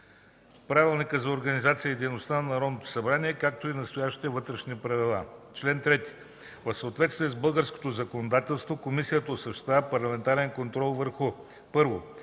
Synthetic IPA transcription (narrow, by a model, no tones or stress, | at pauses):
pɾavilˠnikəzɐoɾɡɐnizat̪sijəid̪ɛjnost̪anɐnɐɾɔd̪not̪o̥sɐbɾaniɛkak̚t̪oinɐst̪ojaʃt̪i̥t̪ɛvɤt̪ɾɛʃnʲiipɾɐvilˠa̰t͡ʃlɛnt̪ɾɛt̪i̥ | vəfsəoːt̪vɛt̪st̪viɛzbɤlˠɡəɾsko̥t̪ozɐkonod̪at̪ɛlˠst̪vokomisijət̪əosɐʃi̥t̪apɐɾlˠɐmɛnt̪aɾɛnkont̪ɾɔlˠvəɾxʊ | pɤɾvo